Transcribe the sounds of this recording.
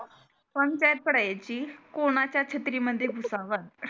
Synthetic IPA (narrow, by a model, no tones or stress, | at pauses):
pə̃ɲt͡ɕajət̪̚pəɽajat͡ɕiːkoɽ̃at͡ɕjat͡ɕʰet̪ɾiməd̪ʱːjeɡʱusaʋəɾ